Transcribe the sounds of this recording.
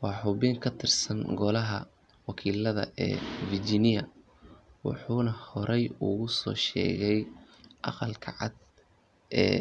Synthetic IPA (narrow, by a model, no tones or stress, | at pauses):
wɑːħʊβiŋkʰɐt̪ʰɪrsɐŋɡɔlɐɦɐ̰ | wɑkʰiːlɐðɐ̰ʔɛ̰ːvɪrd͡ʒinɪjɐ | wɑ̰ħuːnɐhɔɾʔɛjuɣʊsɔːʃɛ̰ːɣɛj | ʔɑqɑlkʰɐʕɑd̪ | ʔɛː